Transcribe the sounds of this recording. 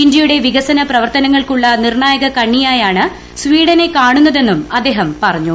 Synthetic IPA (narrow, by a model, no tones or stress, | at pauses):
iɲd͡ʑɐjuɽe̞ʋiɣɐsɐnɐprɐʋɐrt̪ɐnɐŋːɐɭkuɭːɐnirɳaːjɐɣɐkɐɳːijaːjaːɳɨ | sʋiːɽɐne̞kaːɳunːɐðe̞nːumɐd̪ːe̞ːɦɐmpɐrɐɲːu